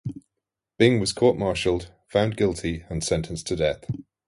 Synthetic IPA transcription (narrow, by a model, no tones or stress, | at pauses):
b̥ɪɪ̃ŋwɒz̥kʰɔˑʔmɑˑʃəlˠd̥ | fãʊ̃nɡɪlˠtʰiə̃nsɛ̃ntʰə̃nstʰədɛθ